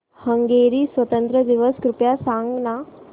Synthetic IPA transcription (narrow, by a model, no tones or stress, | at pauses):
hɐ̃ŋɡeːɾiːswɐt̪ə̃nt̪ɾəd̪iʋəskɾupjasãːŋɡna